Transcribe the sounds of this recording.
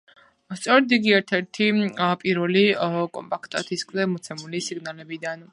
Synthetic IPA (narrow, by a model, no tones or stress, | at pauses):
st̪sʼɔɾd̪iɡiɛɾt̪ʰɛɾt̪ʰipʼiɾvɛlikʼɔ̰mpʼakʰt̪ʼat̪ʰiskʰʼzɛmɔt̪sʰɛmulisiɡnalɛbid̪an